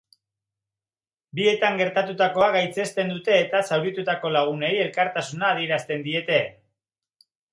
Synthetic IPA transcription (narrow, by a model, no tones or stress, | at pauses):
bie̞t̪aŋɡe̞ɾt̪at̪ut̪ako̞aɣajt͡se̞st̪e̞nd̪ut̪e̞ːt̪asawɾit̪ut̪ako̞laɣ̞une̞je̞lkaɾt̪asunaːð̞ie̞ɾast̪e̞nd̪ie̞t̪e̞